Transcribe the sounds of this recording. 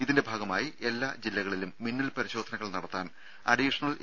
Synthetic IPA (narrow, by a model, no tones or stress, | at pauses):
iðinde̞bʱaːɡɐmaːjiʔe̞lːaːd͡ʑilːɐɣɐɭilumːinːɐlpɐɾiɕo̞ːd̪ʱɐnɐɣɐɭnɐɽɐt̪ːaːn | ɐ̰ɖiʂɐnɐl